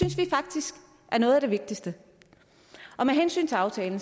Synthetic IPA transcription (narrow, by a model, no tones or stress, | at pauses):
ynsʋifɑ̈ɡ̥̚d̥isɡ̥ | ʔæɐnɔ̽ːðˠæd̥e̝ʋe̝ɡ̥̚d̥isd̥ə | ʔɒ̽meɦensy̰ːnt͡sʰe̝ɑ̈ʊt͡sʰɛːln̩